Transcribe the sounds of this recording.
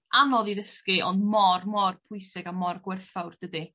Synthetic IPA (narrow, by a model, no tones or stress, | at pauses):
anɔðiðəskɨʔɔndmɔrmɔrpʰʊjsɪɡamɔrɡwɛrfawrd̥ədɨ